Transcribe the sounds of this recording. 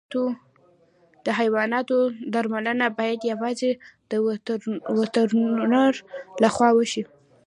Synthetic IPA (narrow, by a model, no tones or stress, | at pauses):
t̪o | d̪̥əɦajwɑnɑt̪od̪aɾmalənabɑjad̪jawɑzed̪̥ə | wət̪əɾnaɾlaxwɑwəʃi